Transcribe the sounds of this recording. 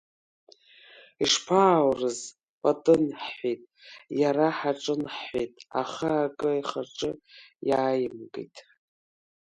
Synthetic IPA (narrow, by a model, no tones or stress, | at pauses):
iʂpʰaːwrɨz | pʼatʼɨnħħʷetʼjaɾaħaʈ͡ʂʼɨnħħʷetʼa̰χaakʼɨiχaʈ͡ʂʼɨjaːjɪmɡḭtʼ